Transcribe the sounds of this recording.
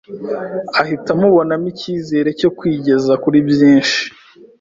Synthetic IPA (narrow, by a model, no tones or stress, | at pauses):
ahitamuβo̞namiciːze̞ːɾe̞co̞kwiːɟe̞zakuɾibjiːnʃi̥